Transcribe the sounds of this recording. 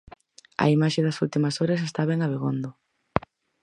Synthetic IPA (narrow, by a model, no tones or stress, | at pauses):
ɐ̰imaʃeðɐsult̪imɐsoɾɐs̬est̪aβeŋaβ̞eɣo̰nd̪ʊ